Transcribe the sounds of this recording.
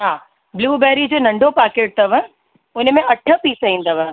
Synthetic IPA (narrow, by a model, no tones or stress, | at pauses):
ɦaː | bluːbɛːɾid͡ʑoːnɐ̃ɳɖʱopaːɾkeːʈ̚t̪ɐʋə | ʊnmẽʔɐʈʰəpiːsəɦĩːnd̪ɐʋə